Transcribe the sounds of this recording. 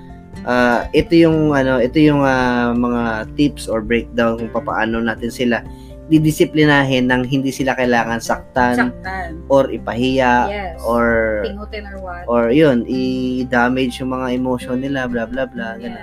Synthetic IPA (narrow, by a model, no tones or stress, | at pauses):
ʔaːʔɛt̪o̞jʊŋʔɐno̞ʔɛt̪o̞jʊŋamɐŋat̪ɪpsʔoɹbɹɛjk̚d̪awnkʊŋpɐpa̰ʔa̰ːno̞naːt̪ɪnsɪla | d̪id̪ɪsɪplɪnaːɦɪnːɐŋɦɪnd̪iːsɪlakɐɪlaːŋɐnsɐk̚t̪anʔoɾʔɪpɐhɪjaʔoɹ | ʔoɹjonʔɪd̪aːmɛd͡ʒjʊŋmɐŋaʔɛmoʃonːɪlablablablaɡɐna